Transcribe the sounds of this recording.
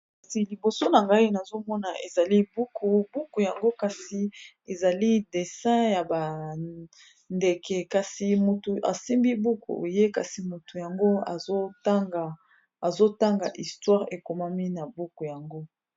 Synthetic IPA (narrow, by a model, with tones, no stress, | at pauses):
ka˨si˨li˨bo˨so˦na˨ŋɡa˦i˦na˨zo˦mɔ˦na˨e˨za˨li˦bu˦ku˨bu˦ku˨ja˨ŋɡo˦ka˨si˨ | e˨za˨li˦de˨sɛ̃˦ja˨ba˨ | nde˨kɛ˨ka˨si˨mu˨tu˨ʔa̰˨si˦mbi˦bu˦kṵ˨o˨je˦ka̰˨si˨mu˨tu˨ja˨ŋɡo˦a˨zo˦ta˦ŋɡa˨ | a˨zo˦ta˦ŋɡa̰˨ʔi˨stwa˦ʁe˨ko˨ma˦mi˦na˨bu˦ku˨ja˨ŋɡo˦